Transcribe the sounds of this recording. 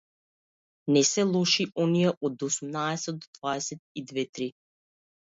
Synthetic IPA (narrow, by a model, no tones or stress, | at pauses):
nɛsɛlˠɔʃiʔɔnijɛʔɔd̪osumnaɛsɛt̪̚d̪ɔd̪vaɛsɛt̪̚id̪vɛt̪ɾi